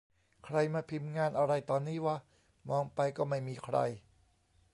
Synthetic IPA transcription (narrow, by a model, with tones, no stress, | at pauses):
kʰɾa˧jmaː˧pʰi˧˥mŋaː˧nʔa˧ɾa˧jt̪ɔː˧nːiː˥˩waː˥˩ | mɔː˧ŋpa˧jkɔː˥˩ma˥˩jmiː˧kʰɾa̰˧j